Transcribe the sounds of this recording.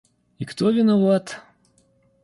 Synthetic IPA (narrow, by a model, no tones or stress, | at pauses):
ikt̪ovʲɪnɐvat̪